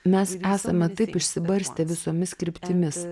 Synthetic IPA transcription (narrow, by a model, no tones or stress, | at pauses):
mʲɛsæːsɐmʲɛt̪ɐɪpɪʃʲsʲɪbɐɾʲsʲt̪ʲɛʋʲɪsoːmʲɪskɾʲɪpʲt̪ʲɪmʲɪs